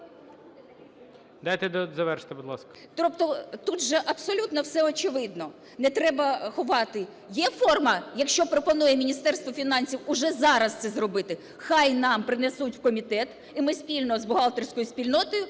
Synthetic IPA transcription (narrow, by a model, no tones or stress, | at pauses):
d̪ɑjt̪ɛd̪zɐʋɛrʃt̪ɪbʊd̪lˠɑ̰skɐ̥ | t̪ɔpt̪ɔt̪ud̪ʒɛʔɐpsɔlʲut̪nɔwsɛɔt͡ʃɪʋɪd̪nɔ | nɛt̪ɾɛbɐxʊʋɑt̪ɪ | jɛfɔrmɐjɐkʃt͡ʃɔpɾɔpɔnujɛmʲinʲist̪ɛrst̪ʋɔfʲinɑnʲsʲiwʊʒɛzɑɾɐst̪sɛzrɔbɪt̪ɪ | xɑjnɑmpɾɪnɛsutʲwkɔmʲit̪ɛt̪ | imɪspʲilʲnɔzbʊɦɑlˠt̪ersʲkɔjʊsʲpʲilʲnɔt̪ɔjʊ